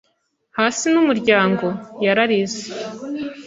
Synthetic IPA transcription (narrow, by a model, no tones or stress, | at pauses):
haːsinumuɾɟaːŋɡo̞jaɾaɾize